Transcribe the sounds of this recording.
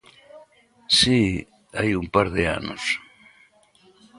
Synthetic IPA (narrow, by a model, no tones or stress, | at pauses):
si | ajumpaɾðea̰no̰s